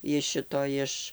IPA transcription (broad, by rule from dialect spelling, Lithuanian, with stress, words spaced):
ɪʃ ˈʃʲɪtoː ˈɪʃ